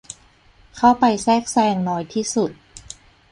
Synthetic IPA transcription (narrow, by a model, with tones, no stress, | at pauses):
kʰa˥˩wpa˧jsɛː˥˩k̚sɛː˧ŋnɔː˧jt̪ʰiː˥˩su˨˩t̪̚